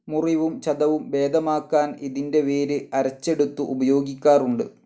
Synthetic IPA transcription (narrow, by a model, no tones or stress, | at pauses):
muriʋumt͡ɕɐd̪ɐʋumʋe̞ːd̪ɐmaːkːaːniðinde̞ʋeːɾɨɐɾɐt͡ɕːe̞ɽut̪ːuʔubɐjo̞ːɡikʲːaːruɳɖɨ̰